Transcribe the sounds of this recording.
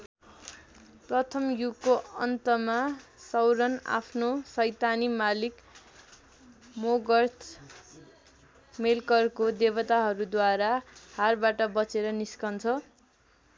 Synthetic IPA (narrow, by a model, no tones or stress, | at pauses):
prʌt̪ʰʌmjukːoʌ̰nt̪ʌmasʌwɾʌna̰pʰnosʌjt̪animalik | moɡʌrt̪ʰ | melkʌrkod̪ebʌt̪aɦʌɾud̪waɾaharbaʈʌbʌt͡seɾʌniskʌnt͡sʰʌ